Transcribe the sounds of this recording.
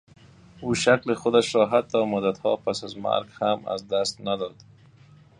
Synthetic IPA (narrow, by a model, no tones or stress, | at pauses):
uʃaklɪxʊd̪aʃɾɔɦat̪ːɔmʊd̪at̪hɔ̰pasazma̰ɾɡhama̰zd̪ast̪nad̪ɔd̪